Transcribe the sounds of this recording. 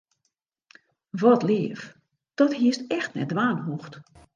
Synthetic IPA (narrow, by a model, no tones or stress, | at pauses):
ʋɔtlɪːəf | d̥ɔthiəstɛxtnɛ̰dʋaːnɦuxt